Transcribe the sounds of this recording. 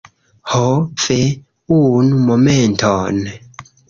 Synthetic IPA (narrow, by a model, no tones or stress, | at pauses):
hofe | unumomɛntʰɔn